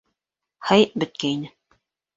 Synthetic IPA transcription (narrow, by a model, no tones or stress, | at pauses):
hɑjbɘ̆t̪̚kæinɘ